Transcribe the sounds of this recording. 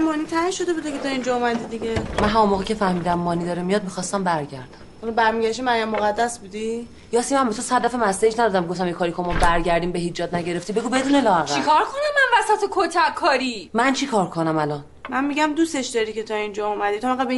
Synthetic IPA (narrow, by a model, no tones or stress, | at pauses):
mɒːniːt̪ʰæhiʃod̪e̞buːd̪ekʰet̪ʰɒːind͡ʒɒomæd̪id̪iɟemænɦæmonmoːɣicʲʰe̞fæhmiːd̪æmːɒːnid̪ɒːɾemijɒd̪̚mixɒːst̪æmbæɾɟæɾd̪æmonubæɾmiɟæʃt̪imæjæmːoɣæd̪ːæsbud̪i | jɒːsimænmbet̪ʰosæd̪d̪æfæmæsd̪eid͡ʒnæd̪ɒd̪æmɡoft̪æmjekʰɒːɾikʰomɔbæɾɟæɾd̪iːmbeɦid͡ʒɒːd̪̚næɟe̞ɾeft̪ibe̞ɡuːbe̞d̪uːnelɒːæɣt͡ʃæikʰɒɾkʰonæmːænvæsæt̪ʰekʰot̪ʰækkʰːɒːɾimænt͡ʃʰikʰɒːɾkʰonæmælɒn | mænmiɟæmd̪use̞ʃd̪ɒɾike̞t̪ʰɒind͡ʒɒomæd̪it̪ʰoæɡæbe